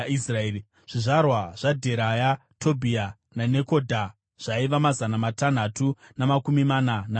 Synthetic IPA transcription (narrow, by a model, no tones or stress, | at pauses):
israeːi | ʐ̥iʐarwaʐ̥adʱe̞ɾajatʰo̞bʱia | nane̞ko̞dʱa | ʐ̥aiʋamazanamatan̤atunamakumimanana